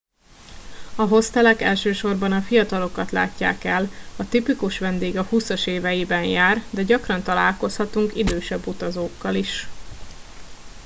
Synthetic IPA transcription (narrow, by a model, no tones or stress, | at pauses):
ɒɦo̞st̪ɛlɛkɛlʃøːʃo̞rbɒnɒfijɒt̪ɒlo̞kɒt̪la̰ːcːa̰ːkɛlɒt̪ipikuʃʋɛnd̪eːɡɒhusɒʃeːvɛjibɛnjaːrd̪ɛɟɒkrɒnt̪ɒla̰ːlko̞shɒt̪uŋkid̪øːʃɛbːut̪ɒzoːkːɒliʃ